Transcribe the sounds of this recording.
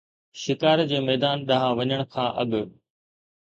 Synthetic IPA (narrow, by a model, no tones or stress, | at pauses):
ʃɪkaːɾd͡ʑeːmɛːd̪aːnɗ̪ɐɦãʋɐɲəɽ̃kʰãːʔɐ̰ɠ